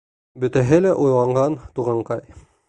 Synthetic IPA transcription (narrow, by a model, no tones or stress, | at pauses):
bɵ̆t̪æɦɘlæʔujlˠɑɴɢɑnt̪uʁɑɴqɑj